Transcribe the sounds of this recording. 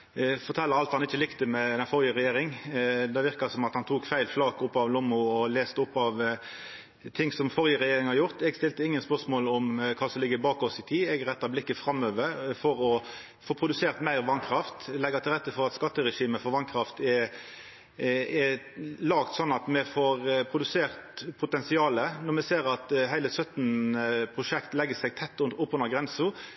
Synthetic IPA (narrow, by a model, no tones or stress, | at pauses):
fɔɾt̪ʰɛlːəɾɑlt̪hɑnɪçːəlɪkt̪əmɛd̪ɛnfɔɾjəʁɛjeːɾɪŋd̪ɛʋɪʁkɑsɔmɑt̪hɑnt̪ʰuːkfæɪlflɑːkʊpːɑʋlɔmːʊɔleːst̪əʊpːɑʋ | t̪ʰɪŋsɔmfɔʁjəʁɛjeːɾɪŋhɑɾjʊʁt̪ɛɡst̪ɪlt̪əɪŋːənspœʁsmoːlɔmkʰɑːsɔmlɪɡːəbɑːkɔsɪt̪ʰiːɛɡʁɛt̪ːɑblɪkːəfɾɑmːøːʋəɾfɔɾɔ | foːpʰɾʊd̪ʉseːʁt̪mæɪʁʋɑnkʰɾɑft̪lɛɡɑt̪ʰɪlʁɛt̪ːəfɔʁɑt̪skɑt̪ːəɾɛʂiːməfɔɾʋɑnkʰɾɑft̪ɛ | ɛ | lɑːkt̪sɔnːɑt̪mɛfoːʁpʰɾʊd̪ʉseːʁt̪pʰʊt̪ɛnsɪɑːlənɔʁmɛseːɾɑt̪ɦæɪləsœt̪npʰʁʊʂɛkt̪lɛɡːəsɛɡt̪ʰɛt̪ːʊnʊpːʊnəɡɾɛnsʊ